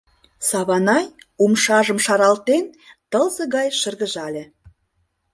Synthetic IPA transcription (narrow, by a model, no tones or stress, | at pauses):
sɑβɑnɑjumʃɑʒə̆mʃɑɾɑlt̪ent̪əlzə̆ɣɑjʃə̆rɣə̆ʒɑlʲĕ